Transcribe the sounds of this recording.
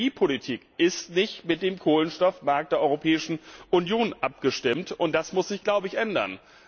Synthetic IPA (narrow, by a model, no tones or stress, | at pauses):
iːpʰolitʰiːkʔɪstnɪçtmɪt̚d̥eːmkʰoːlənʃtɔfmaɐk̚t̚d̥eːɐʔɔʏʁopʰɛːɪʃn̩ʔʊnjoːnʔap̚ɡ̥əʃtɪmtʊnt̚d̥asmʊsz̥ɪçɡ̥laʊbəɪçʔɛndɐ̰n